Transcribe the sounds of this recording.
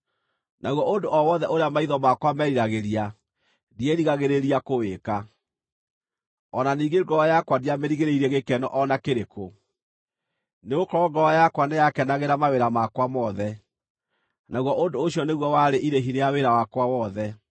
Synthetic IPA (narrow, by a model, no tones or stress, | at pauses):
naɣwɔʔondoʔɔwɔðɛʔoɾeamaiðɔmakwamɛɾiɾaɣeɾia | dieɾiɣaɣeɾeɾiakoweka | ɔnaniːɡeɡɔajakwadiameɾiɣeɾeiɾɛɣekɛnɔ̰ʔɔnakeɾeko | neɣokɔɾɔɡɔajakwanejakɛnaɣeɾamaweɾamakwamɔðɛ | naɣwɔʔondoːɕjɔneɣwɔwaɾeʔiɾeɦiɾeaweɾawakwawɔðɛ